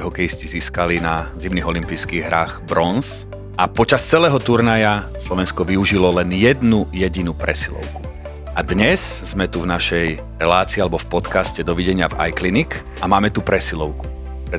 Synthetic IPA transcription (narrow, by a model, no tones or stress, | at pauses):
ɦɔkɛjisciziːskalinazimniɣɔlimpijskiːɣɦɾaːxbɾɔns | ʔapɔt͡ʃast͡sɛlɛːɦɔt̪uɾnajaslɔʋɛnskɔʋiuʒilɔlɛnjɛd̪nujɛɟinupɾɛsilɔ̰ʊku̥ | ʔad̪ɲɛzz̥mɛt̪uvnaʃɛj | ɾɛlaːt͡siːalɛbɔfpɔt̪kascɛd̪ɔʋiɟɛɲɪava̰jklinik | ʔamaːmɛt̪upɾɛsilɔʊku̥ | pɾɛ